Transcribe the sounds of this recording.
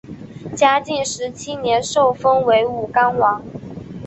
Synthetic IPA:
t͡ɕja˥t͡ɕi˥˩ŋʂɻ̩˧˥t͡ɕʰi˥njɛ˧˥nʂo˥˩ʊfɤ˥ŋwe˧˥ɪu˨˩ka˥nwɑ˧˥ŋ

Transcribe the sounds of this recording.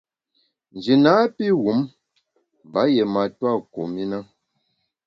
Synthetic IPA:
n˨d͡ʒi˨na˨˦pi˦ɣu˨˦m | ba˨˦jɛ˨ma˨twa˦˨ko˨mi˦na˦

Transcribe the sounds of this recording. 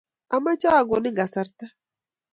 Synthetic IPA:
ʔɐ˨mɐ˦t͡ʃaː˦˨ɡo˨nɪ˦ɡɐ˨sɐ˦ɾt̪ɐ˦

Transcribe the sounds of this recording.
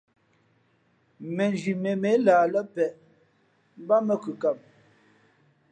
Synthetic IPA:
mɛ˨nd͡ʒi˨me˨me˨˦laː˨lə˦pɛ˨ʔ | m˦ba˦mə˦˨kʉ˨ka˨m̚

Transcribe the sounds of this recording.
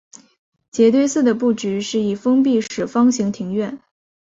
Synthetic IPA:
t͡ɕjɛ˧˥t̪we˥˧ɪsɹ̩˥˩d̪ə˩p̬u˥˩t͡ɕy˧˥ʂɻ̩˥˩i˨˩fɤ˥ŋp̬i˥˩ʂɻ̩˨˩fɑ˥ŋɕi˧˥ŋt̪ʰi˧˥ŋɥɛ˥˩n

